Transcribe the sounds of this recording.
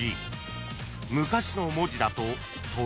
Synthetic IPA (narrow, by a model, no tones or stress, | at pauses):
ḭ | mɯ̟kaɕino̞mo̞ʑid̪at̪o̞ | t̪o